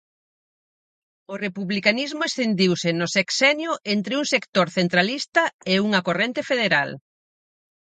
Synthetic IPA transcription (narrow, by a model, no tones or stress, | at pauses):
orepuβlikanizmʊesθend̪iwsɪnoseksɛnjoʔent̪ɾɪuŋsekt̪oɾθent̪ɾalist̪ɐeuŋakorent̪efeðeɾal